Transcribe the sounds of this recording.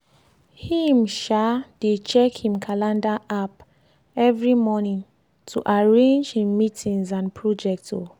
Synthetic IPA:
himʃad̥et͡ʃɛkhĩmkʰalãndaʔap | ɛvɹimɔnĩn | tʰuʔaɹẽnd͡ʒhĩmːitʰĩnzãnpʰɹɔd͡ʒɛk̚to̰

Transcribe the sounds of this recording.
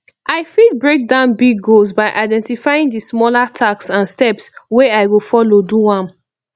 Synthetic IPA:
ʔaɪfid̚bɹek̚dãʊ̃nbiɡːolzbaɪʔaɪdɛ̃ntifajĩŋdismɔlatʰaksãnstɛpsweaɪɡofɔloduwãm

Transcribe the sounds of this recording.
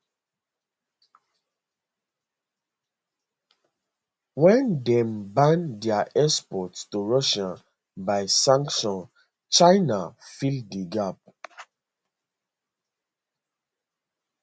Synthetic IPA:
wɛ̃ndɛ̃mbãndiaʔɛspɔtstuɹɔʃã | baɪsãŋkʃɔ̃n | t͡ʃaɪnafildiɡap̚

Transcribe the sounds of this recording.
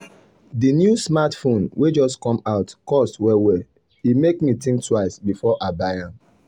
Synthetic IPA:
dinjusmatfõnwed͡ʒɔstkɔ̃maʊtkɔstwɛwɛ | himekmitĩŋktʰwaɪsbifɔʔabajãn

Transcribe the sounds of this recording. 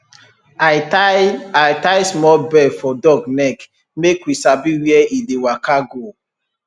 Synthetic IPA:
a | ajtaɪsmɔlbɛfɔdɔɡnɛk | mekwisabiwiɛidewakaɡo

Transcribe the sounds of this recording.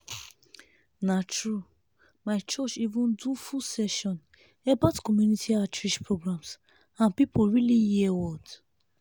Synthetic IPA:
natɹu | maɪt͡ʃɔt͡ʃivũndufusɛʃɔ̃n | ebatkɔmjunitʰiatɹiʃpɹoɡɹãms | ãnpipoɹilijiɛwɔd

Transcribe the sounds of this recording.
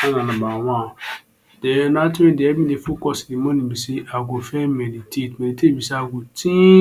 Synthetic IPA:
anãnãbawã | d̥ɛnatiẽdeɛbĩdefokɔsilimõnĩbiseaɡofɛmelitʰetmelitebiseaɡotĩ

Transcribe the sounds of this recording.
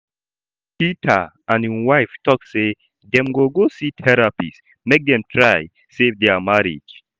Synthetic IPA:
pitʰə̰ʔãniwajftʰɔk̚se | ðɛ̃mɡoɡositʰɛɹapḭs | mek̚dɛ̃mtʰɹaj | sevdɛmaɹḭd͡ʒ

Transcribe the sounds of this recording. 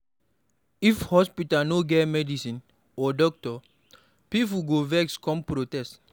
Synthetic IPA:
ifhɔspitanoɡɛmɛdisĩn | ɔdɔk̚tɔ | pip̬uɡovɛkskɔ̃mpɾotɛst

